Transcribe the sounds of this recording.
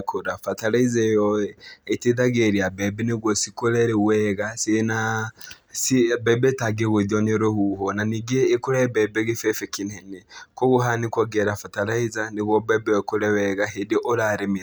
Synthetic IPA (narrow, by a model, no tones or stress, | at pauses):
kʰoɾafataɾaizajɔɛeteðaɣeɾiabɛbɛneɣosikoɾɛɾɛwɛɣasena | sibɛbɛtaɡeɣoðjɔneɾohuɦonaniɡeːkoɾɛbɛbɛɣefɛfekinenekoɣoɦanikɔɡɛɾafataɾaizaneɣwɔbɛbɛwɔkoɾɛwɛɣaɦedeʔoɾaɾemi